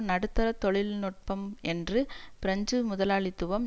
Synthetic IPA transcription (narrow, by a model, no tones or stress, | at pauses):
nɐɽɯt̪ːɐɾɐt̪ːɔɭɪlnɔʈ̚pɐmɛndrɯpɪɾɐɲd͡ʒɯmʊðɐlaːɭɪt̪ːɯʋɐm